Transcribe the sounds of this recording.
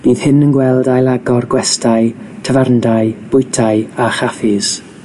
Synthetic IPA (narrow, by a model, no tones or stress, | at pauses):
b̥iːð̥hɪnənɡwɛlˠdajlˠaɡɔrɡwɛstʰaɨtʰəvarndaɨb̥ʊjtʰaɨaχafɪz̥